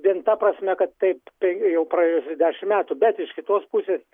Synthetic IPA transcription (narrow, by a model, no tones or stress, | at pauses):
d̪ʲiɛnt̪ɐpɾɐsʲmʲɛkɐt̪t̪ɐɪppʲɛjɛʊpɾɐejʊsʲʊd̪ʲæːʃʲɪmmʲæːt̪ʊbʲɛt̪ɪʃkʲɪt̪oːspusʲeːs